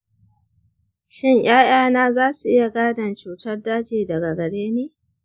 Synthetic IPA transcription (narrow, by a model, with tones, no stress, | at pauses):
ʃɪ˦ɲj̰aː˦j̰aː˦naː˦zaː˦su˨ʔɪ˦ja˨ɡaː˦dɐ˨nt͡ʃuː˨tɐ˦rdaː˦d͡ʒeː˨dɐ˨ɡa˨ɡɐ˨ɽeː˦neː˦